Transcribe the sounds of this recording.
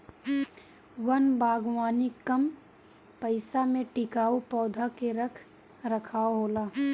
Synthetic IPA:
wɐnbaːɡwaːnikɐm | pəɪsamẽʈɪkaːupɔːd̪ʱakeɾɐkʰ | ɾəkʰaːoɦoːlaː

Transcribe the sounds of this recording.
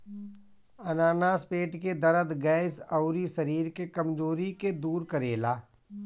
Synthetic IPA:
ɐnaːnaːspeːʈked̪ɐɾəd̪ɡɛːɪsɐʊɾisɐɾiːɾkekɐmd͡ʒoːɾiked̪uːɾkəɾeːlaː

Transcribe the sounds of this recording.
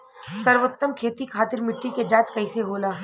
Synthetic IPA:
sɐɾʋot̪ːəmkʰeːt̪ikʰaːt̪ɪɾmɪʈːiked͡ʒãːt͡ʃkɐɪseɦoːlaː

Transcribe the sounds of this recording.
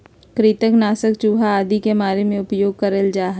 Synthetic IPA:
kɾɪt̪əknaːsəkt͡ʃuːɦaaːd̪ʱikemaːɾemẽʊpjoːɡ̚kɐɾəld͡ʒaːɦ

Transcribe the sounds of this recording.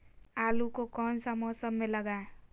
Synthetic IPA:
alukokʌnsəmʌsʌbːeləɡae

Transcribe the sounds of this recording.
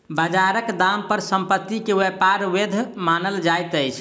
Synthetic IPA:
bəd͡ʒaɾəkd̪ampəɾsəmpət̪ːikewepaɾwed̪ʱmanəld͡ʒajt̪əjt͡ʃʰ

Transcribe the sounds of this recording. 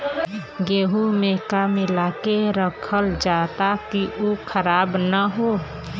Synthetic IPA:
ɡeːɦumẽkamɪlakeɾəkʰəld͡ʒaːt̪akiʔukʰəɾaːbnəɦoː

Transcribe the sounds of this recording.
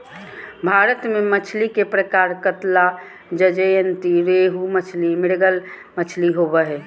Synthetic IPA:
bʱaɾət̪memət͡ʃʰlikepɾəkaɾkət̪la | d͡ʒəd͡ʒəjənt̪iɾeɦumət͡ʃʰlimɪɽɡəl | mət͡ʃʰliɦobəɦɛ

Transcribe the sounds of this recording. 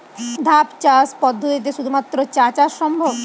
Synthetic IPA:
d̪ʱapt͡ɕaspɔd̪ʱːot̪it̪̬eʃud̪ʱumat̪ːɾot͡ɕat͡ɕaʃɔmbʱob

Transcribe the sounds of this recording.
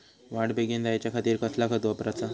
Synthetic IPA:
ʋaʈbʱeɡend̪ajat͡ɕjakʰat̪iːɾkəslakʰət̪ʋəpɾat͡sa

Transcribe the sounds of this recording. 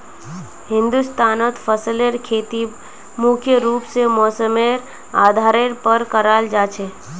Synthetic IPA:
ɦɪ̃nd̪ust̪aːnot̪pʰəsəleɾkʰet̪i | mukʰjəɾupsemɔsəmeɾ | aːd̪ʱaːɾeɾpəɾkəɾald͡ʒat͡ʃʰe

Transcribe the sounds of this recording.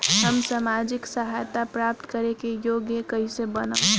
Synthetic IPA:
ɦəmsamad͡ʒɪksəɦajt̪apɾap̚t̪kəɾekejoːɡjəkəɦisebənə

